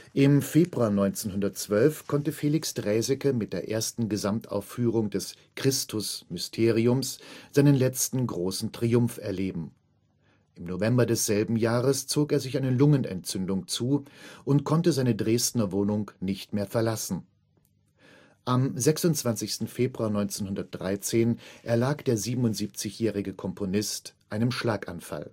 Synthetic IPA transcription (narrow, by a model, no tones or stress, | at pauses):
ʔɪmfeːbʁuaːnɔʏnt͡seːnhʊndɐtt͡sv̥œlfkʰɔntəfeːlɪksd̥ʁɛːzɪkəmɪt̚d̥eːɐʔeːɐstn̩ɡəzamtʔa̰ʊfyːʁ̞ʊŋdɛs | kʁ̥ɪstʰʊsmʏstʰeːʁiʊmsz̥aɪnənlɛt͡stn̩ɡʁoːsn̩tʁ̥iʊmfɛɐleːbm̩ | ʔɪmnovɛmbɐdɛsz̥ɛlbm̩jaːʁəst͡soːkeːɐzɪçʔaɪnəlʊŋənɛ̰ntt͡sʏndʊŋt͡suːʔʊntkʰɔntəzaɪnədʁeːstnɐvoːnʊŋnɪçtmeːɐfɛɐlasn̩ | ʔamzɛksʊntt͡sv̥ant͡sɪçstn̩feːbʁuaːɐnɔʏnt͡seːnhʊndɐt̚d̥ʁaɪt͡seːnʔɛɐlaːkd̥eːɐziːbm̩ʊntz̥iːp̚t͡sɪçjɛːʁ̞ɪɡəkʰɔmpʰonɪstʔaɪnəmʃlaːkʔa̰nfa̰l